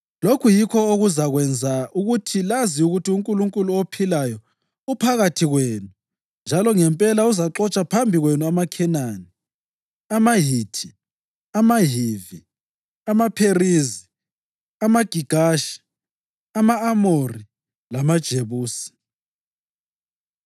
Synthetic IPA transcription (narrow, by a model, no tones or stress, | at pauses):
lokʰujikʰɔoɣuzaɣwɛnd͡zʱauɣutʰilaziuɣutiuŋkʼuluŋkʼuluopʰilajɔ | upʰaɣatʰiɣwenu | nd͡ʒʱalɔŋɛmpʼɛlauzaǁɔt͡ʃʼapʰambʱiɣwenuamakʰɛnaːni | amaɦitʰi | amaɦivi | amapʰerizi | amaɡ̥ʱiɡ̥ʱaʃi̥ | amaːmori | lamad̥ʒ̥ʱeβuːsi̥